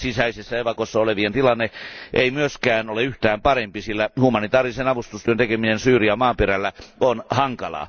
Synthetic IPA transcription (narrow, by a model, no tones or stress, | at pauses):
sisæisesːæeʋɑkosːɑoleʋient̪ilɑnːeʔeimyøskæːnoleyht̪æːmpɑrempisilːæhumɑnit̪ɑːrisenɑʋust̪ust̪yønt̪ekeminensyːriɑmɑːmperælːæonhɑŋkɑlɑ̰ː